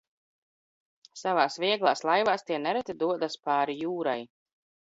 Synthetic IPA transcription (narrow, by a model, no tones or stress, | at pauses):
savaːsviɛɡlˠaːslˠajvaːst̪iɛnɛɾɛt̪id̪uɔd̪aspaːɾijuːɾa̰j